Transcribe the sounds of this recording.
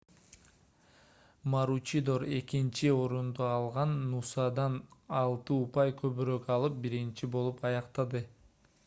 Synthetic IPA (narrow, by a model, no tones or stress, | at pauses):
maɾut͡ʃid̪oɾe̞kint͡ʃio̞ɾund̪uɑlˠʁɑnːusɑd̪ɑnɑlˠt̪ɯupɑjkʰøβyɾøkɑlˠɯp̚biɾint͡ʃibo̞lˠupɑjɑqt̪ɑd̪ɯ